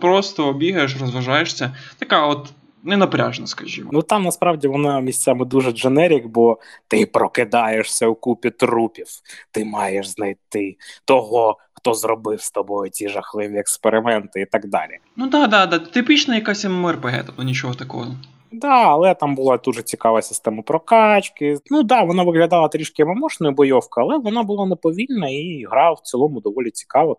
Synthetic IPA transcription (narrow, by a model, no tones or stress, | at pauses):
pɾost̪ɔːbʲiɦɐjeʃ̬rɔzʋɐʒajeʂsʲɐt̪ɐkaɔt̪ | nɛnɐpɾʲaʒnɐskɐʒʲḭmnut̪ɑmnɐspɾɑwdʲiʋɔnɑmʲisʲtt͡sʲamɪd̪uʒɛʒenɛɾʲikbɔt̪ɪpɾɔkɪd̪ɑjeʂsʲɐwkupʲit̪ɾupʲiwt̪ɪmɑjeʃznɐjt̪ɪt̪ɔɦɔ | xt̪ɔzrɔbɪwst̪ɐbɔjʊtʲiʐɐxlˠɪʋʲiɛkspeɾɪmɛnt̪ɪit̪ɐɡ̚d̪ɑ̰lʲḭ | nud̪ɑd̪ɑd̪ɑt̪ɪpʲit͡ʃnɐjɐkasʲɐmmɛrpeɦɛ̰t̪ɐɔnʲit͡ʃɔɦɔt̪ɐkɔ̰ɦɔ | d̪ɑɐlˠɛt̪ɑmbʊlˠɑd̪uʒɛt͡sʲikɑʋɐsʲɪ̥st̪ɛmɐpɾɔkɑt͡ʃkɪnud̪ɑʋɔnɑʋɪɦlʲɐd̪ɑlˠɐt̪ɾʲiʃkɪmɐmɔʃnʊjʊbɔjɔwkɐɐlˠɛʋɔnɑbʊlˠɑnepɔʋʲilʲnɐiɦɾɑwwt͡s̪ɨlˠɔmʊd̪ɔʋɔlʲit͡sʲi̥kɑʋɐ